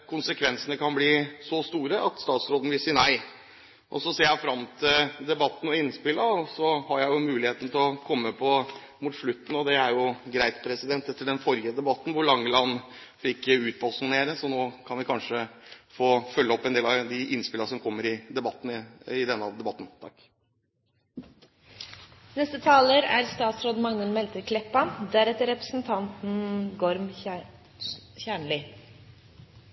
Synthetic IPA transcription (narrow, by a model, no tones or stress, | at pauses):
kʰʊnsəkʰʋɛnsənəkʰɑnbliːsɔst̪uːɾəʔɑt̪st̪ɑːt̪sɾoːd̪n̩ʋɪlsiːənæɪ | ʔɔ̰sɔseːɾjæfɾɑmt̪ʰɪld̪ɛbɑt̪ːn̩ɔɪnːspɪlːəɔsɔhɑɾjæɪjʊmʉːlɪheːt̪n̩ət̪ʰɪlɔkʰɔmːəpʰɔ | muːt̪ʂɭʉt̪ːn̩ɔd̪ɛæɾjʊɡɾæɪt̪pʰɾɛsɪd̪ɛnt̪ɛt̪ːəɖ̪ɛnfɔɾjəd̪ɛbɑt̪ːn̩ʋʊɭɑŋːəlɑnː | fɪkːəʉːt̪̚bɑlsʊŋneːɾəsɔnoːkʰɑnʋɪkʰɑnʂəfoːfœlːəɔpːɛnd̪eːlɑd̪ɪʔɪnspɪləɾsɔmkʰɔmːəɾɪd̪ɛbɑt̪ːn̩əɪd̪ɛnːəɑʋd̪ɛbɑt̪ːnt̪ʰɑ̰kː | nɛst̪ət̪ʰɑːləɾæ̰ɾst̪ɑːt̪sɾoːd̪mɑŋnəlmɛlt̪əɾkʰlɛpːɑnd̪æɾɛt̪əɾɛpɾə̥sn̩t̪ʰɑnt̪n̩ɡoɾm | çæːɳɭɪ